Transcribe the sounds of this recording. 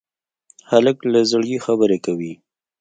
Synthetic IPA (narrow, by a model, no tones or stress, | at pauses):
haləklazəɽjixabəɾekawi